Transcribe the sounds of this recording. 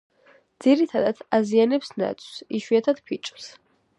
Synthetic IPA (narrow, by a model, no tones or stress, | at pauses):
d̪z̥iɾit̪ʰad̪at̪sʰazianɛpsna̰t̪sʼwsiʃwiat̪ʰad̪̥pʰit͡ʃʼs